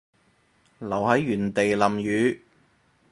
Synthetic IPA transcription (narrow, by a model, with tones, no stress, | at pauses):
lɐ˨˩whɐ˨˥jːyː˨˩nt̪e˨jlɐ˨mjyː˨˧